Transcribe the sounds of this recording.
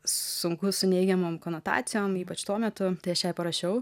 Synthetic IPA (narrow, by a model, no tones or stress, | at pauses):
sʊŋkʊsʊnʲɛɪɡʲɛmoːmkoːnoːt̪ɑ̰ːt̪sʲɪjoːmiːpɐt͡ʃt̪uɔmʲɛt̪ʊt̪ɐɪɐʃjɛɪpɐɾɐʃʲɛʊ